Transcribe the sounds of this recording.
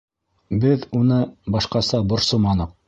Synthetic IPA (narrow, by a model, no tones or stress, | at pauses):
bɘðunɤbɑʃqɑsɑbŏɾsomɑnɤq̚